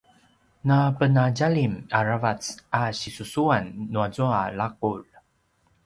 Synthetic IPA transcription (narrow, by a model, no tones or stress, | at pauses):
napənaɟalimaɾavat͡saɕisusuanːuazualaq̚ul